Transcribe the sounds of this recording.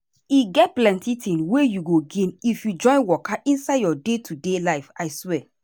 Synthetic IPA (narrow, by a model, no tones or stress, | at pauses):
iɡɛt̚plɛ̃ntitʰĩnwejuɡoɡĩnifjud͡ʒɔ̃ɪ̃nwɔkaʔĩnsaɪdjɔdetʰudelaɪfaɪswɛ